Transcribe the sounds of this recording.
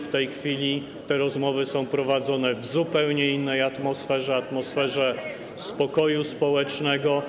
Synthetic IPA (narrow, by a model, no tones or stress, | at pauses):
ft̪ɛjxfʲilʲi | t̪ɛɾɔzmɔvɘsɔ̃w̃pɾɔvad̪zɔnɛvzupɛwɲɛinːɛjat̪mɔsfɛʐɛat̪mɔsfɛʐɛ | spɔkɔjuspɔwɛt͡ʂnɛɡɔ